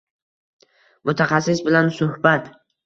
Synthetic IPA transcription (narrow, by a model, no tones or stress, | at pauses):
mʊt̪ʰaχɑsːɪsbɪlansʊhbat̪